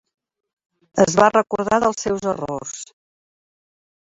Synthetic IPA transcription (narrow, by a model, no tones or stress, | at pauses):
əzβarəkuɾðaðəlˠsɛwzəro̰s